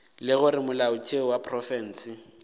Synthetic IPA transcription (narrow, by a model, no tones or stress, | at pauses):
lɪɣʊɾɪmʊlaʊt͡ʃʼeɔwapʰʼrɔfɛn̩ːsɪ